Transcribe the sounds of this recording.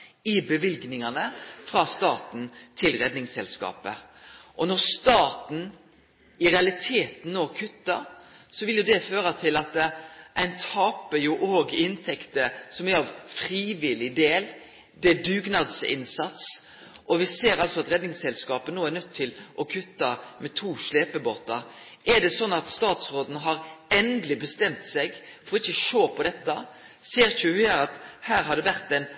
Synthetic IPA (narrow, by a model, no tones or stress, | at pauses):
ɪbəʋɪlɡnɪŋɑnəfɾɑːst̪ɑːt̪n̩t̪ʰɪlɾɛd̪nɪŋsɛlskɑ̰ːpə̰ʔɔnɔɾst̪ɑːt̪n̩ | ɪɾɛɑlɪt̪ʰeːt̪n̩noːkʰʉt̪ːɑsɔʋɪljʊd̪ɛføːɾɑt̪ʰɪlɑt̪ʔæɪnt̪ʰɑːpəjʊʔoːɡɪnt̪ʰɛkt̪əsɔmæɾɑʋfɾiːʋɪlɪd̪eːl | d̪ɛd̪ʉːɡnɑd̪sɪ̰nsɑt̪s | ʔɔʋɪseːɾɑlsɔɑt̪ɾɛd̪nɪŋsɛlskɑːpənoːæɾnœt̪ʰːɪlʔɔkʰʉt̪ːɑmɛt̪ʰuːʃleːpəboːt̪ɑ | ʔɛɖ̪ɛsɔnːɑt̪st̪ɑːt̪sɾoːd̪n̩ɦɑɾɛnd̪lɪbəst̪ɛmt̪sɛɡfɔɾɔɪçːəʃoːpʰɔd̪ɛt̪ːɑ | seːɾçʉhæːɾɑt̪hæːɾɦɑd̪ɛʋæʁt̪æɪn